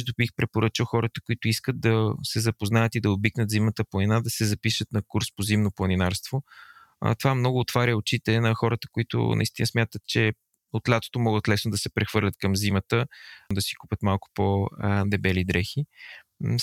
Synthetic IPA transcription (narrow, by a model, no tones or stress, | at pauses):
d̪obixpɾɛpoɾət͡ʃəxɔɾət̪əkʊit̪ʊiskəd̪̚d̪ɐsɛzɐpoznajət̪id̪ɐobiknət̪zimnət̪əplˠɐninad̪ɐsɛzɐpiʃət̪nɐkuɾspozimnoplˠɐninaɾst̪vo̰ | t̪ovamnɔɡʊːt̪vaɾʲjəot͡ʃit̪ɛnɐxɔɾət̪ə̥koit̪ʊ̰nɐ̰ist̪inəsmʲjat̪ət̪̚t͡ʃɛ | ot̪lʲat̪o̥t̪omɔɡət̪lɛsnod̪ɐsɛpɾɛxvɤɾlʲət̪̚kəmzimət̪əd̪ɐsi̥kupʲət̪malˠkʊ̥pod̪ɛbɛlid̪ɾɛxi